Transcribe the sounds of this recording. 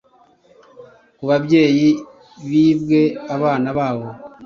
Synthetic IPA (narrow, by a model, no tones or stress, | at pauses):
kuβaβje̞ːji | βiːβɡe̞aβaːnaβaːβo̞